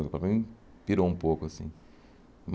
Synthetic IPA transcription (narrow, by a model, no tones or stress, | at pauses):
k̪pɾɐmĩ | tiɾoũpokʊɐsḭ̃ | m